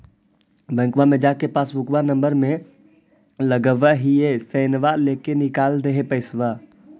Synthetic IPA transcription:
ʋɛ̃ŋkʋamẽd͡ʒaːkepaːsbʊkʋanɐ̃mbəɾmẽ | ləɡəʋəɦieseːnʋaleːkenɪkaːld̪eɦepɐɪsʋa

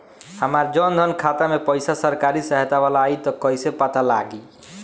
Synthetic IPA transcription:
həmaɾd͡ʒɔnd̪ʱɔnkʰat̪amepəjsasəɾkaɾisəɦt̪aʋalaːit̪ɔkɔjsepat̪alaɡi

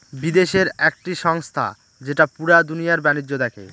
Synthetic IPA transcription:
bid̪eʃeɾɛk̚ʈiʃɔŋst̪ʰa̰ | d͡ʑeʈapuɽad̪unijaɾbanid͡ʑːod̪ɛkʰḛ

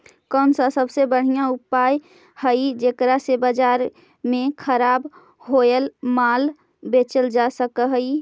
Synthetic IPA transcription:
kənsəsəbsebəɽ̤ijãupaj | həɪd͡ʒekɾasebəd͡ʒaɾ | mẽkʰəɾab | ɦojəlmal | bet͡ʃəld͡ʒasəkəɦəj

